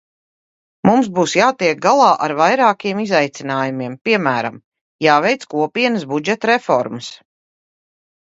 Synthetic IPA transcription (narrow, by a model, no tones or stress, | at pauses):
mumsbuːsjaːt̪iɛk̚ɡalˠɑːʔaɾvajɾaːkiɛmizajt̪sinaːjumiɛmpiɛmæːɾa̰m | jaːvɛjt̪skuɔpiɛnəsbud͡ʒɛt̪ɾefɔɾmɐs